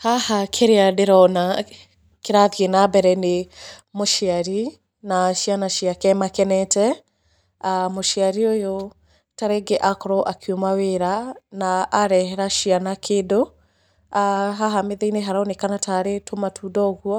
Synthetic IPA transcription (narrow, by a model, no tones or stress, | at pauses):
hahakʰeɾeadeɾɔna | keɾaðjenabɛɾɛnemoʃiaɾi | naʃianaʃiakɛmakɛnɛtɛ | amoʃiaɾiojo | taɾeɡeʔakɔɾɔʔakʰiomaweɾanaːɾɛhɛɾaʃianakʰedo | aɦaɦameðeineɦaɾaonekanataɾetʰomatʰudɔɣwɔ